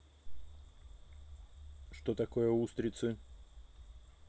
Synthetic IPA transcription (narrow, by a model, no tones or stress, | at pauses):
ʂt̪ot̪ɐko̞jəust̪ɾʲɪt̪sɨ